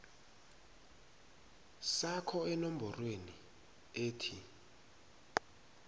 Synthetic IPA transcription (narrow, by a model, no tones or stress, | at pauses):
sakʰɔɛnom̩bʱɔrweni | eːtʰi